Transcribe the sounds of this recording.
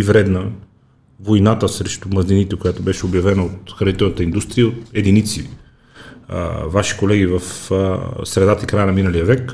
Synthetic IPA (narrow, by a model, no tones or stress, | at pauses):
ivɾɛd̪nə | vojnat̪əsɾɛʃt̪ʊmɐzninit̪ɛkojat̪obɛʃɛobjɐvɛnəot̪xɾɐnit̪ɛlˠnət̪əind̪ust̪ɾijəot̪ɛd̪init̪si | vaʃi̥kolɛɡivəf | sɾɛd̪at̪əikɾajənɐminəlijəvɛk